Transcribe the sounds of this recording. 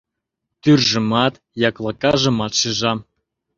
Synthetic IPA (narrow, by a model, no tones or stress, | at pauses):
t̪yrʒə̆mɑt̪ | jɑklˠɑkɑʒɤ̆mɑt̪ʃiʒɑm